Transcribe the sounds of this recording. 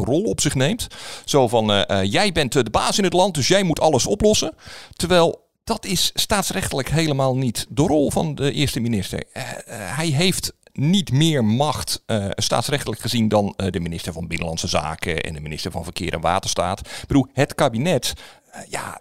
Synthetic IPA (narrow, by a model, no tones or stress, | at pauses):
rɔlˠɔpsɪχnejmtsoːvɑnjɛjbɛntdəbaːsɪnətlɑnt̚dɵsjɛjmutʰɑlˠəsɔplɔsətəɹʋɛlˠ | d̥ɑtɪsːtaːtsrɛxtələkɦejləmaːlˠnitdərɔlˠvɑ̰ndəʔɪɹstəminɪstə̰ɹɦɛjɦejftnitmɪːɹmɑxtsta̰ːtsrɛxtələkχəzindɑndəminɪstəɹvɑnbɪnəlɑnsəza̰ːkəɛ̰ndəminɪstəɹvɑnvərkɪːɾʔɛ̰nʋa̰ːtəɹstaːtb̥əduɦətkaːbinɛt | ja̰